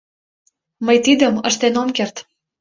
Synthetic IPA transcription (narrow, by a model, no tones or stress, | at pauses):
məjt̪id̪əmə̰ʃt̪enomkert̪